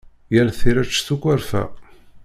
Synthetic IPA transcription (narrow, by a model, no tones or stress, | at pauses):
jəɾθiɾæt͡ʃːθukʷːæɾfæ̰